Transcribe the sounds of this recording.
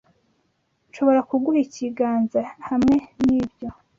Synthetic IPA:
nʃo̞βo̞ɾakuɡuɾiciɡaːnzahamŋe̞niːbjo̞

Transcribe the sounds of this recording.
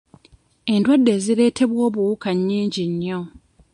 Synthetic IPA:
e̞ndwadːe̞ːziɾe̞ːtʰe̞βwo̞ːβuukaɲːiːɲɟiɲːo̞

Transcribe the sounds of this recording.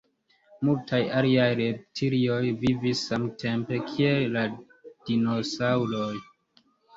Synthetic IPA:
multʰajaliajɾep̚tʰiɾio̞jvivisːamtʰe̞mpe̞kʰie̞lːa | d̥ino̞sawlo̞j

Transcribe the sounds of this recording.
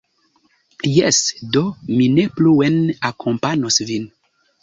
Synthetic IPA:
jɛsdominepluenakʰompanosvin

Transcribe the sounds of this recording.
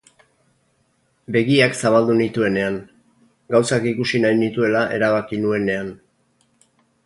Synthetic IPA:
be̞ɣiaksaβald̪unit̪ue̞ne̞aŋ | ɡawsakikusinajnit̪ue̞laʔe̞ɾaβ̞akinue̞ne̞an

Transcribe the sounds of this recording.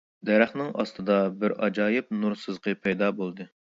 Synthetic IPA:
d̪ɛɾæχnɨŋɑ̰st̪ʰɨd̪ɑbɪɾɑ̰d͡ʒɑːjɪp̚nuɾsɨzqʰɨpʰɛjd̪ɑbolˠd̪ɨ

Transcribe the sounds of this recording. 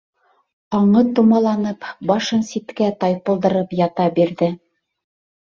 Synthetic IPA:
ɑɴɤt̪umɑlˠɑnɤpbɑʃɤnsit̪kæt̪ɑjpɤ̆lˠd̪ɤ̆ɾɤpjɑt̪ɑbiɾðɘ

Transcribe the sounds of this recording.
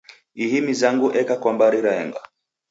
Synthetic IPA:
ihimizaŋɡuʔɛkakwambaɾiɾaɛŋɡa

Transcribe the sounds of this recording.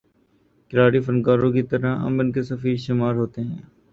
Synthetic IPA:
kɪɾaːɽiːfənkaːɾõːkit̪əɾaə̰mɪnkesəfiːɾʃɪmaːɾɦoːt̪eɦɛ̃ː

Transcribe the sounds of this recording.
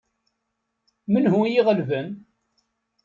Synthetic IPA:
mənhujiʁəlvən

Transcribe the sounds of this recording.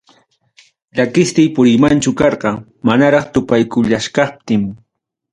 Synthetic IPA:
ʎakɪst̪ɪjpʊɾɪmant͡ʃʊkɑɾɢɑ | manaɾɑχt̪ʊpajkʊʎaʃkɑp̚t̪ɪm

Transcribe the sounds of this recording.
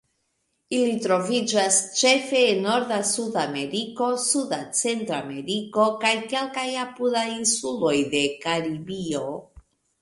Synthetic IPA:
ilitɾo̞vid͡ʒast͡ʃe̞fe̞ːnːo̞ɾdasudame̞ɾiko̞sudat͡se̞ntɾame̞ɾiko̞kajke̞lkajapudajinsulo̞jde̞kaɾibio̞

